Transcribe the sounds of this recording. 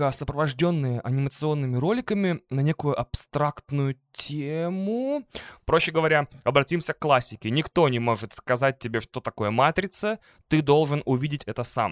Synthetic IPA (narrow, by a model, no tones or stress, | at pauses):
əsəpɾəvɐʐdʲo̞nːɨjəʔɐnʲɪmət̪sɨo̞nːɨmʲɪɾo̞lʲɪkəmʲɪnɐnʲe̞kʊjʊʔɐpst̪ɾakt̪nʊjʊtʲʰemʊpɾo̞ɕːɪɡəvɐɾʲaɐbɾɐtʲimsʲəkkːlˠasʲːɪkʲɪnʲɪkt̪o̞nʲɪmo̞ʐɨt̪skɐzat̚ʲtʲːɪbʲe̞ʂt̪o̞t̪ɐko̞jəmat̪ɾʲɪt̪sə | t̪ɨd̪o̞lˠʐɨnʊvʲidʲɪtʲɛt̪əsa̰m